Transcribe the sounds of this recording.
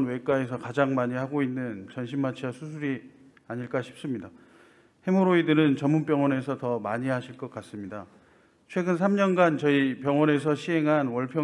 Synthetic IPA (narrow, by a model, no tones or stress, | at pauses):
nwe̞k͈ae̞sʰʌkad͡ʑaŋmaɲihaɡoinːɯnt͡ɕʌnɕ̬ʰimːat͡ɕʰiasʰusʰuɾi | aɲiɭk͈aɕʰi̥p̚s͈ɯmɲida | he̞moɾoidɯɾɯnt͡ɕʌmːunp͈jʌŋwʌne̞sʰʌtʌmaɲiɦaɕʰiɭk͈ʌk͈as͈ɯmɲida | t͡ɕʰwe̞ɡɯns̬ʰamɲʌnɡant͡ɕʌipjʌŋwʌne̞s̬ʰʌɕʰiɦe̞ŋɦanwʌɭpʰjʌ